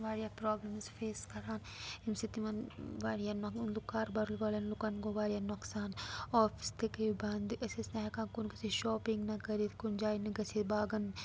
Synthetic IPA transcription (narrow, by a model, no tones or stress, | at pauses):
ʋaːɾijapɾɔːbləmzfeːskɐɾaːn | imsit̪imɐnʋaːɽijanɐlukːaːɾbɐɾulbaːlɐnlukɐnɡoʋaːɾijanoksaːnɔːfʰi̥st̪ekeibɐnd̪ɐsesnɐɦɐkaːkunkɐsiʃɔːpĩŋɡnɐkɐɾit̪kund͡ʒaːinɐɡɐsʰit̪baːɡɐn